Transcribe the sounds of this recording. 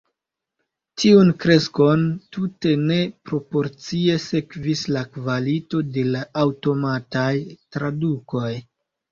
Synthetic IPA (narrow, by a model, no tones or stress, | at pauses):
tʰiunkɾe̞sko̞ntute̞ne̞pɾo̞po̞ɾt͡sie̞se̞kvislakvalito̞de̞laːwto̞matajtɾaduko̞j